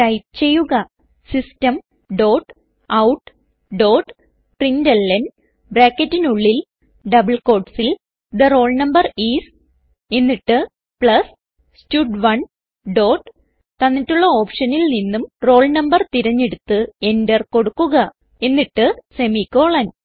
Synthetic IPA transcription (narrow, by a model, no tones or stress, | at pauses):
ʈɐjp̚t͡ɕe̞jːuɣɐ | sistɐm | ɖo̞ːʈ | ɐwʈː | ɖoːʈ | ʈrindɐlːɐn | bɾaːkːɐtːinuɭːil | ɖɐbɐɭko̞ːɖsil | d̪ɐro̞ːɭnɐmbɐriːs | e̞nːiʈːɨ | pɭɐs | stuɖʋɐɳ | ɖo̞ːʈ | t̪ɐnːitːuɭːɐo̞ːpʂɐnilninːumro̞ːɭnɐmbɐrt̪iɾɐɲːeɽut̪ːɨe̞ndɐrko̞ɽukːuɣɐ | e̞nːiʈːɨse̞mikːo̞ːɭɐn